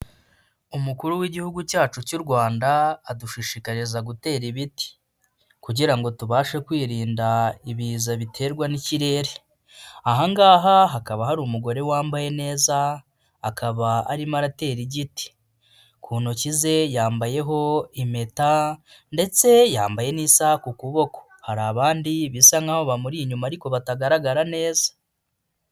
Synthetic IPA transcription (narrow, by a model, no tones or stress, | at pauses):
umukuɾuwiɟihuɡucaːt͡ʃucuɾɡwaːndaːduʃiʃikaɾezaɡute̞ːɾiβiti̥ | kuɟiɾaŋɡo̞tuβaːʃekwiːɾiːndaiβiːzaβitʰe̞ːɾɡwaniciɾe̞ːɾe | aɦaŋɡaːɦaɦakaβahaɾuːmuɡo̞ɾe̞waːmbaje̞ne̞ːzaː | kʰaβaa̰ɾimaɾate̞ːɾiɟiti̥ | kʰuːnocize̞jaːmbaje̞ɦo̞ime̞ta | nde̞t͡se̞jaːmbaje̞niːsakukuβo̞ko̞̥ | haɾaβaːndiβisaŋaho̞βamuɾiːɲumaɾiko̞βataɡaɾaɡaɾane̞ːzḁ